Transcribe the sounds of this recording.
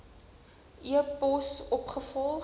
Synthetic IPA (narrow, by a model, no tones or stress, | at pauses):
ʔiəpɔsɔpχəfɔlˠ